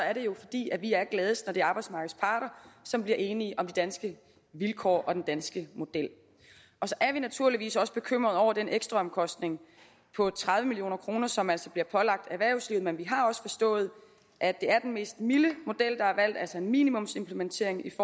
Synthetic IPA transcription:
sɒ̽æɐɾ̥e̝jo̝fɒ̽d̥ḭːæʋiæɐɡ̥lɛːð̞ˠəsnɒd̥e̝ɑ̈ːb̥ɑ̈ɪd̥smɑ̈ɡ̥ð̩ˠspʰɑ̈ːɾ̥ɐsɒ̽mb̥liɐʔe̝ːniəʔɒ̽md̥id̥ænsɡ̥ə | ʋilkʰɒ̰ːʔɒ̽d̥end̥ænsɡ̥əmo̝d̥el̰ | ɒ̽sɒ̽ʔæɐʋinæt͡sʰuɐliʋḭːsɒ̽sə̥b̥e̝kʰøm̰ʁɐð̩ˠɒʊ̰ɐd̥eneɡ̥sd̥ʁɑ̈ɒ̽mkʰɒ̽sd̥ne̝ŋ | pʰɒ̽t͡sʰʁaðˠʋəmilio̝̰ːnɐkʰʁo̝ːnɐsɒ̽mæl̰sɒb̥liɐpʰɒ̽lɑ̈ɡ̥̚d̥æʋæɐʊsliʊð̩ˠmenʋiɦɑ̈ɒ̽sə̥fɒ̽sd̥ɔ̰̽ːð̞̩ˠ | ʔæd̥e̝æɐd̥enme̝̰ːsd̥miləmo̝d̥el̰d̥ɑ̈æɐʋæl̰d̥æl̰sɒ̽e̝nmḭnimɔ̽mse̝mpʰləment͡sʰe̝ɐe̝ŋifɒ

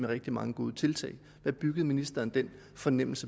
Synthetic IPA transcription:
meʁeɡ̥̚d̥imɑ̈ŋəɡ̥o̝ːð̞ˠət͡sʰe̝lt͡sʰɛ̰ɪ | ʋæb̥yɡ̥əð̞̩ˠminisd̥ɐːnd̥en̰ | fɒ̽nem̰l̩sə

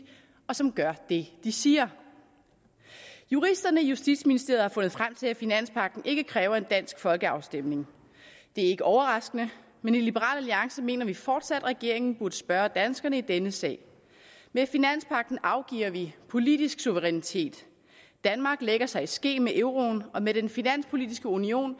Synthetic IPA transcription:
ɒ̽sɒ̽mɡ̥ɶɐ̰d̥e̝d̥isiːɐ | juʁisd̥ɐnəjusd̥id̥sminisd̥e̝ɐð̩ˠhɑ̈fɔ̽nð̩ˠfʁam̰t͡sʰe̝læfinæn̰spʰɑ̈ɡ̥̚d̥n̩ʔe̝ɡ̥əkʰʁɛːʊɐe̝nd̥æn̰sɡ̥fɒ̽lɡ̥əɑ̈ʊsd̥em̰ne̝ŋ | d̥e̝æɐe̝ɡ̥əʔɒʊɐʁɑ̈sɡ̥ənə | menilib̥əʁɑ̰̈ːlæliɑ̈ŋsɐme̝̰ːnɐʋifɒːd̥sæd̥ʁɛɡ̥e̝ɐ̰e̝ŋn̩b̥uɐd̥əsb̥ɶːɐd̥ænsɡ̥ɐnəid̥enəsɛ̰ːɪ | mefinæn̰spʰɑ̈ɡ̥̚d̥n̩ʔɑ̈ʊɡ̥ḭːɐʋipʰo̝lid̥isɡ̥suʋəʁɛnit͡sʰe̝̰ːd̥ | d̥ænmɑ̈ːɡ̥leɡ̥ɐsɑ̈ɪsɡ̥e̝̰ːmeʔeʊʁo̝nɒ̽med̥enfinæn̰spʰo̝lid̥isɡ̥əunio̝̰ːn

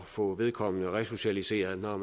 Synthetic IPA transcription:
fɔ̽ʋe̝ð̞ˠkʰɒ̽m̰ənəʁɛso̝ɕælise̝̰ːɐð̩ˠnɒm

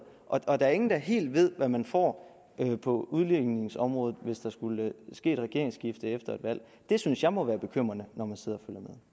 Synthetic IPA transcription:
ʔɒ̽ʔɒ̽d̥æ̈æɐe̝ŋn̩d̥ɑ̈ɦe̝̰ːld̥ʋe̝ð̞̰ˠʋæmænfɒ̰ː | øpʰɒ̽uðˠleɡ̥ne̝ŋsɒ̽mʁɔ̽ːð̩ˠʋe̝sd̥æɐsɡ̥ulsɡ̥e̝̰ːd̥ʁɛɡ̥e̝ɐ̰eŋsɡ̥ifd̥əefd̥ɐe̝d̥ʋæl̰ | d̥e̝synsjɑ̈ɪmɒ̽ʋæːɐb̥e̝kʰøm̰ʁɐnənɒmænse̝ð̰ˠɐɒføljɐmeðˠ

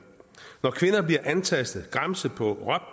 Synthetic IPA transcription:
nɒkʰʋe̝nɐb̥liɐʔænt͡sʰæsd̥ð̩ˠɡ̥ʁɑmsəpʰɒ̽ʁɶb̥

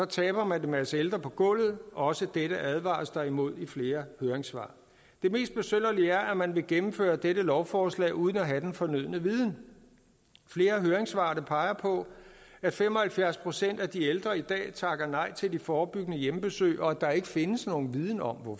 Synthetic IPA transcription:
sɒ̽t͡sʰɛːb̥ɐmænd̥emeæseld̥ʁɐpʰɒ̽ɡ̥ɔ̽l̰ð̩ˠɒ̽səd̥eɾəʔæð̞ˠʋɑ̰̈ːsd̥ɑ̈imo̝ð̞̰ˠifle̝ːɐhøːɐeŋsʋɑ̰̈ː | d̥e̝me̝̰ːsd̥̚b̥e̝søn̰ɐliæɐʔæmænʋe̝ɡ̥emm̩fø̰ːɐd̥eɾəlɒʊfɒːslɛ̰ːuð̞ˠn̩æɦæd̥enfɒ̽nyð̰ˠnəʋiðˠn̩ | fle̝ːɐɦøːɐeŋsʋɑ̈ːd̥əpʰɑ̈ɪɐpʰɒ̽æd̥femɒ̽hælfjæɐspʰʁo̝sen̰d̥æd̥ield̥ʁɐid̥ɛ̰ːt͡sʰɑ̈ɡ̥ɐnɑ̈ɪ̰t͡sʰe̝ld̥ifɒːb̥yɡ̥ənəjemb̥e̝sø̰ːɪʔɒ̽æd̥ɑ̈e̝ɡ̥əfe̝nəsno̝ːn̩ʋið̞ˠn̩ɒ̽m̰ʋɒ

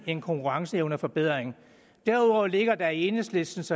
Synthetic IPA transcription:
e̝nkʰɒŋkʰuʁɑ̈ŋsəeʊnəfɒ̽b̥eð̞̰ˠʁeŋ | d̥æɐuðˠɒʊle̝ɡ̥ɐd̥æie̝ːnəsle̝sd̥n̩sɒ

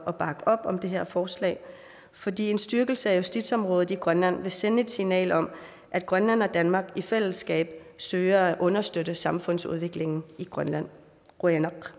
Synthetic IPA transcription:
ʔɒ̽b̥ɑ̈ɡ̥əʔɒ̽b̥ɒ̽md̥e̝ɦeɐ̰fɒːslɛ̰ɪ | fɒ̽dḭːe̝nsd̥yɐɡ̥l̩səæjusd̥id̥sɒ̽mʁɔ̽ːð̩ˠiɡ̥ʁɶnlæn̰ʋe̝senəe̝d̥sinɛ̰ːlɒ̽m | ʔæd̥̚ɡ̥ʁɶnlæn̰ɒ̽d̥ænmɑ̈ːɡ̥ifel̰əsɡ̥ɛ̰ːb̥sd̥øːɐʔɔ̽nɐsd̥øɾəsɑ̈mfɔ̽n̰sṵð̞ˠʋe̝ɡ̥le̝ŋn̩iɡ̥ʁɶnlæn̰ | ʁuenɑɡ̥

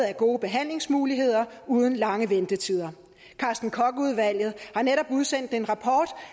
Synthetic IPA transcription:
ð̩ˠæɡ̥o̝ːb̥e̝ɦæn̰le̝ŋsmuːliɦe̝ð̞̰ˠɐ | uːð̞ˠn̩lɑ̈ŋəʋend̥ət͡sʰiðˠɐ | kʰɑ̈ːsd̥n̩kʰɒ̽ɡ̥əuð̞ˠʋæl̰jð̞̩ˠhɑ̈neɾ̥ɒ̽b̥uðˠsen̰d̥e̝nʁɑ̈pʰɒːd̥

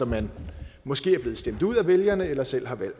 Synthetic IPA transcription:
ɒmænmɒ̽sɡ̥e̝̰ːæɐb̥e̝ːð̩ˠsd̥em̰d̥uð̞̰ˠæʋeljɐnəelɐsel̰ɦɑ̈ʋæl̰d̥

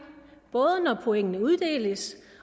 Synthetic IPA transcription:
b̥ɔ̽ːð̞ˠənɒpʰo̝eŋ̰ənəuð̞ˠd̥e̝̰ːləs

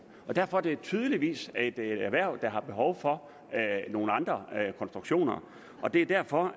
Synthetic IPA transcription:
ɒ̽d̥æɐ̰fɒ̽d̥e̝t͡sʰyːð̞ˠəliʋḭːse̝d̥æɐʋæɐ̰ʊd̥ɑ̈ɦɑ̈b̥e̝ɦɒʊfɒ̽ | øno̝ːn̩ɑ̈nd̥ʁɐkʰɒ̽nsd̥ʁuɡ̥ɕo̝̰ːnɐ̰ | ʔɒ̽d̥e̝æd̥æɐ̰fɒ̽

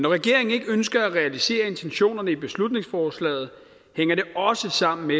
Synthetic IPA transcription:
nɒʁɛɡ̥e̝ɐ̰e̝ŋ̩e̝ɡ̥əønsɡ̥ɐæʁɛælise̝̰ːɐe̝nt͡sʰenɕo̝̰ːnɐnəib̥e̝slud̥̚ne̝ŋsfɒːslɛ̰ːð̞̩ˠ | heŋ̰ɐɾe̝ɒ̽səsɑ̈m̰n̩me

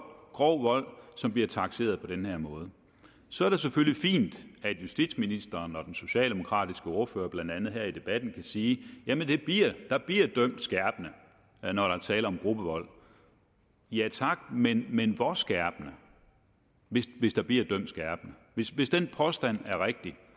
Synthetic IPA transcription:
ɡ̥ʁɒʊʋɒ̽l̰sɒ̽mbliɐt͡sʰɑ̈ɡ̥se̝̰ːɐð̞ˠpʰɒ̽d̥enheɐ̰mɔ̽ːð̞̩ˠə | sɒ̽æɐɾ̥e̝s̬eføllifḭːnd̥æd̥jusd̥id̥sminisd̥ɐːnɒ̽d̥enso̝ɕɛ̰ːld̥e̝mo̝kʰʁɑ̰̈ːd̥isɡ̥əɔ̝ːɐføːɐb̥lænd̥ænð̞̩ˠɦæɐ̰id̥e̝b̥æd̥n̩kʰæsiːjæmənd̥e̝b̥liɐ̰d̥ɑ̈b̥liɐ̰d̥øm̰d̥sɡ̥æɐb̥nə | nɒɾ̥ɑæt͡sʰɛːlɐɒ̽mɡ̥ʁub̥əʋɒ̽l̰ | jæt͡sʰɑ̈ɡ̥menmenʋɒsɡ̥æɐ̰b̥nə | ʋe̝sʋe̝sd̥ɑ̈b̥liɐ̰d̥øm̰d̥sɡ̥æɐ̰b̥nəʋe̝sʋe̝sd̥enpʰɒ̽sd̥æn̰æɐʁeɡ̥̚d̥i

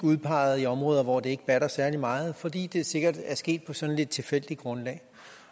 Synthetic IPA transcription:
uðˠpʰɑ̈ɪð̩ˠiɒ̽mʁɔ̽ːð̞ˠɐʋɒ̰d̥e̝e̝ɡ̥b̥æɾ̥ɐsæɐlimɑ̈ːð̞̩ˠfɒ̽d̥ḭːd̥e̝se̝ɡ̥ɐd̥æɐsɡ̥e̝̰ːd̥̚pʰɒ̽sɒ̽nle̝d̥̚t͡sʰe̝lfel̰d̥iɡ̥ʁɔ̽nlɛ̰ː

